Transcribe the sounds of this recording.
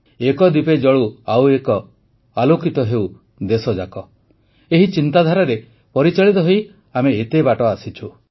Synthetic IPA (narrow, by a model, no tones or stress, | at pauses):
ekɔd̪iped͡ʒɔɭuawekɔ | alokʰit̪ɔɦew | d̪esɔd͡ʒakɔ | eɦit͡ʃint̪ad̪ʱaɾaɾe | pɔɾit͡ʃaɭit̪ɔɦej | ameːt̪ebaʈɔasit͡ʃʰu